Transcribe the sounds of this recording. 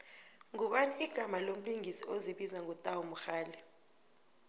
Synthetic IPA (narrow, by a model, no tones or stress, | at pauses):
ŋuɓaniiɡ̥ʱamalom̩liŋisioziɓizaŋɔtʼawumuxaːlɛ